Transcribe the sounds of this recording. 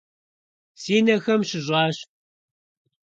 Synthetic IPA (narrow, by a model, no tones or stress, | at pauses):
siːnɐxɐmɕɪʑʷʼɑːɕ